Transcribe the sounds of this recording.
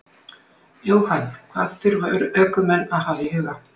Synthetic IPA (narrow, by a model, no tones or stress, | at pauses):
jowhanːkʰvaːðθʏɾvaʏɾœːkʏmɛnːaðhavɪhʏɣa